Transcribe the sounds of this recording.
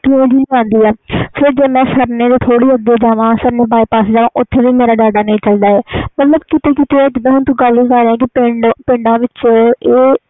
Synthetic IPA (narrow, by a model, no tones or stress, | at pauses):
t̪iːẽːd͡ʒiːlkãːnd̪iːɛːfʰɪɾd͡ʒeːmɛ̃ːsəɾneːd̪et̪ʰoːɽiːəd̪eːd͡ʒaːʋãːsəɾneːbaːipaːsed͡ʒaːʋãːʔʊt̪ʰːeːʋiːmeːɾaːɖaːɖaːnəĩːt͡ʃəld̪aːɛːmət̪ləbkɪt̪eːkɪt̪eːɛːd͡ʒɪd̪ãɦʊnt̪ũːɡəlĩːkəɾɾeãːk̬ɪpeɳɖpɪ̃ɳɖãːʋɪt͡ʃeː